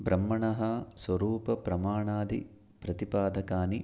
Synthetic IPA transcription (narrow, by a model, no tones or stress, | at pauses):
bɾɐmːɐɳɐɦɐsʋɐɾuːpɐpɾɐmaːɳaːd̪ḭ | pɾɐt̪ipaːd̪ɐkaːni